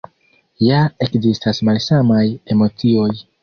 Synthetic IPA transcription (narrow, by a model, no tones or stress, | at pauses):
jae̞kzistasmalsamaje̞mo̞t͡sio̞j